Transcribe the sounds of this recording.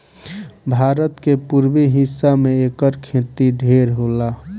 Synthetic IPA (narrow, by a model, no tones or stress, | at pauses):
bʱaɾət̪kepuɾbiɦisːameekəɾkʰẽt̪iɖʱeɾɦola